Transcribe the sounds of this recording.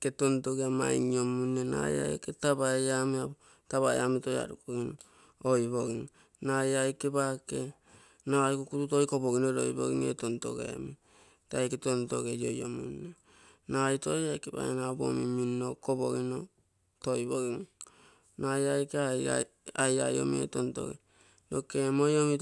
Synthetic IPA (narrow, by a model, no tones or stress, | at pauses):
ketontoɡeama̰jŋiomunːena̰ja̰ketabaeamia | taβaejamitoja̰ɾukoɡino | ojβoɡiŋ | najajkebake̞ | najkokututojkoboɡinoɾo̰jbo̰ɡiŋḛtonto̰ɡḛmi | tajketonto̰ɡejojo̰minːo | najtojajkeba̰enabomiminːokobo̰ɡino | tojboɡiŋ | najajkeaa | aja̰jo̰miḛtonto̰ɡḛ | dokemojomi